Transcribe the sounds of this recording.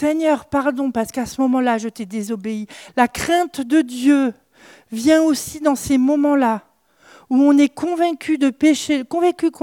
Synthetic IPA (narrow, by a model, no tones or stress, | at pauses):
seɲœʁpaʁd̪ɔ̃paʁsə̥kasəmɔmɑ̃laʒət̪ed̪ezɔbeilakχɛ̃t̪d̪əd̪jø | vjɛ̃osid̪ɑ̃semɔmɑ̃la | uɔ̃nɛkʰɔ̃vɛ̃kʲʰyd̪əpeʃekɔ̃vɛ̃kʲyk